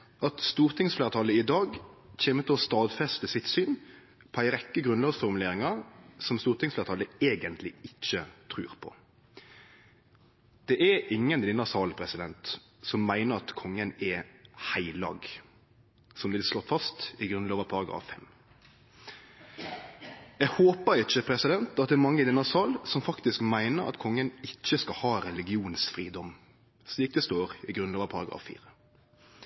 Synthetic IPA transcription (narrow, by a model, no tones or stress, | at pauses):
ɑt̪st̪uːʁt̪ʰɪŋsfleːʁət̪ʰɑləɪd̪ɑːɡc͡çeːmət̪ʰɪɔst̪ɑːd̪fɛst̪əsɪt̪syːn | pʰɔæɪʁɛkːəɡʁʉnlɑːɡsfɔʁmʉleːɾɪŋɑʁsɔmst̪uːʁt̪ʰɪŋsfleːʁət̪ʰɑːləeːɡənt̪ʰlɪɪc͡çːət̪ʰʁʉːʁpʰɔ̰ | d̪̥ɛʔɛʔɪŋːənd̪ɪnːəʁsɑːlpʰʁɛsɪd̪ɛnt̪ | sɔmːæɪnəʁɑt̪kʰɔŋːənɛhæɪlɑ̰ːɡ | sɔmd̪ɛɪslɔt̪ːfɑst̪ɪɡɾʉnloːʋəpʰɑɾɑɡɾɑ̰ːffɛ̰m | ɛɡhoːpəɪt͡ʃːəpʰɾɛsɪd̪ɛnt̪ɑt̪̚d̪ɛːɾmɑŋːəd̪ɪnɑsɑːlsɔmfɑkt̪ɪskmæɪnəɾɑ̰t̪kʰɔŋːənɪt͡ʃːəskɑhɑːɾɛlɪɡɪuːnsfʁiːd̪ɔm | sliːk̚d̪ɛst̪oːɾɪɡɾʉnloːʋəpʰɑɾɑɡɾɑ̰ːfḭːɾə